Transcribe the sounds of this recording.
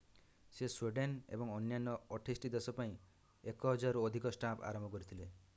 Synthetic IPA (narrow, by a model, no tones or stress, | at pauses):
sesweɖenḛbɔŋɔnjanɔɔʈʰisʈid̪esɔpaĩ | ekɔɦɔd͡ʒaɾuod̪ʱikɔsʈapʰa̰ɾɔmbʱɔkɔɾit̪ʰile